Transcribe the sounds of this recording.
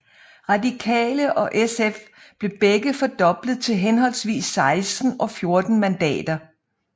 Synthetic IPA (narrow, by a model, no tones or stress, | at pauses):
ʁɑ̈dikʰɛ̰ːləʔɒ̽ʔesef | b̥le̝b̥eɡ̥əfɒ̽d̥ɒ̽b̥lð̞̩ˠt͡sʰe̝lɦenɦɒ̽l̰sʋḭːsːɑ̈ɪsd̥n̩ɒ̽fjo̝ɐd̥n̩mænd̥ɛ̰ːd̥ɐ